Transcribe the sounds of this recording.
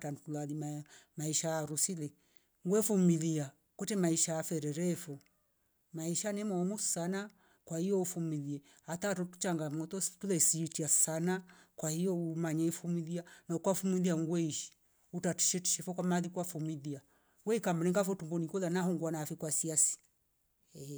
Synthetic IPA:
tantulalimamaiʃaaɾusilɛ | ŋɡwɛfumilia | kwɛtɛmaiʃaafɛɾɛɾɛfɔ | maiʃanɛmɔmusana | kwahijɔufumiðiɛ | atatɔtu̥t͡ʃaŋɡamɔt̪ɔtulɛsiːtiasanakwahijɔumaɲaifumiðianaukwafumiðiaŋɡwɛiʃi̥ | utati̥ʃɛti̥ʃɛfɔkwamaðikwafumiðia | ŋɡwɛikambɾɛŋɡafɔtumbɔnikɔðanahɔŋɡwanaːfikwasiasi̥ | ɛ

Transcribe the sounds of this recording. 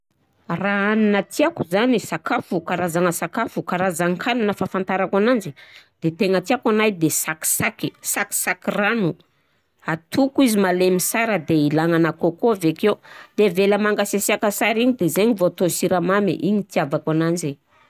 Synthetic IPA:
raaninat̪iakuzanisakafukaɾazaŋəsakafukaɾazaŋkʰananəfafant̪aɾakanand͡ʒid̪̥et̪eŋət̪iakanajd̪esaki̥sakisaki̥sakiranu | at̪ukuizimalemisaɾəd̪eilaŋanakokoavekewd̪̥eveləmaŋɡasesiakasaɾiɲid̪ezeɲivot̪osiɾamamḛʔiɲit̪iavakanand͡ʒe

